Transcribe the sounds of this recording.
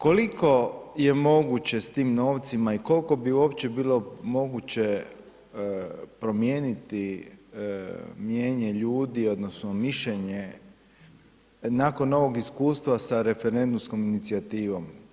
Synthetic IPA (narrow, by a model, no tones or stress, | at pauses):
ko̞liko̞je̞mo̞ɡut͡ɕe̞st̪iːmno̞ːʋt̪simaiko̞lko̞biuo̞pt͡ɕe̞biːlo̞mo̞ɡut͡ɕe | pɾo̞mje̞ːnit̪i | mje̞ːɲe̞ʎuːd̪io̞d̪nosnomiʃʎeɲe | nako̞nːo̞ʋo̞ɡiskuːst̪ʋasaɾe̞feɾe̞nd̪umsko̞minit̪siat̪iːʋo̞m